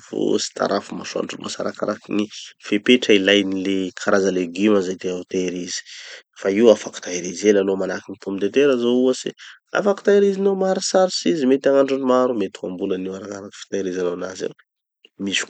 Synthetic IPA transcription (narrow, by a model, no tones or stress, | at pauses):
vo̰si̥t̪ʰa̰ɾʔafumaʃua̰ɳɖ͡ʐuumasa̰ɾaka̰ɾakinifepeʈ͡ʂəilajnilekʰaɾazaleɡimazajt̪eat̪aeɾizi̥faiwafaku̥t̪aeɾizelalomanakinit̪omid̪et̪eɾazouwəse | a̰faki̥t̪aeɾizinomaɾisaɾsizimet̪aŋaɳɖ͡ʐunimaɾumet̪i̥kambulaniwaɾakaɾakfi̥t̪aiɾizanaanazḛ | misu̥